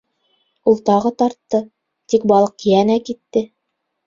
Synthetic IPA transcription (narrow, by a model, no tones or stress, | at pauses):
ulˠt̪ɑʁɤt̪ɑɾt̪ːɤ | t̪ik̚bɑlˠɤqjænækit̪ːɘ